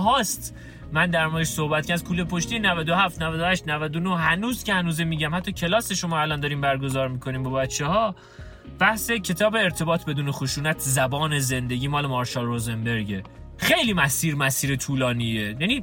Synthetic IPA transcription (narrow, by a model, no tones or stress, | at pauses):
ɦɒːst̪ | mænd̪æɾmɒːjeʃsohbæt̪kcæɾd̪̚kʰuːlepʰo̞ʃt̪iːenævæd̪o̞hæft̪nævæd̪ohæʃt̪nævæd̪onohænuːzcehænuːzemiːɟæmhæt̪ʰːɒːcʰe̞lɒːseʃo̞mɒːælɒnd̪ɒːɾiːmbæɾɡo̞zɒːɾmikʰo̞niːmbɒbæt̪t͡ʃʰːehɒː | b̥æhse̞cʰe̞t̪ʰɒːbe̞ːɾt̪ʰe̞bɒːt̪ʰbe̞d̪uːnexoʃuːnæt̪ʰzæbɒːneze̞nd̪e̞ɟʲiːmɒːlemɒɾʃɒːlrozembe̞ɾɟe | xejliːmæsiːɾmæsiːɾet̪ʰuːlɒːniːejæniː